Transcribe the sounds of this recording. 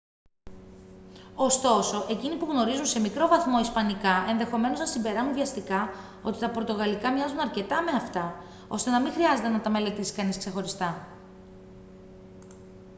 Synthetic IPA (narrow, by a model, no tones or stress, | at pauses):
o̞st̪o̞so̞ʔe̞cinipuɣno̞ɾizunse̞mikɾo̞vɐθmo̞ispɐnikɐe̞nðe̞xo̞me̞no̞znɐsimbe̞ɾɐnuvʝɐst̪ikɐ | o̞t̪it̪ɐpot̪o̞ɣɐlikɐmɲɐzunɐɾce̞t̪ɐme̞ɐft̪ɐ | o̞̰st̪e̞nɐmiŋxɾiɐze̞t̪enɐt̪ɐme̞le̞t̪isi̥kɐniskse̞xo̞ɾist̪ɐ